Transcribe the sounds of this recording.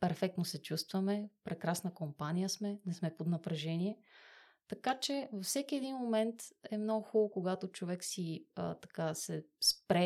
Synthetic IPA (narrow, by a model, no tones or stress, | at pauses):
pɛɾfɛk̚t̪nosɛt͡ʃust̪vɐmɛpɾɛkɾasnəkompanijəsmɛnɛsmɛpod̪nɐpɾɛʒɛniɛ | t̪ɐkat͡ʃɛvɐfsɛkiɛd̪inmomɛnt̪ɛmnoɡʊxulˠokoɡat̪ot͡ʃovɛksiə̰t̪ɐ̥kasɛspɾɛ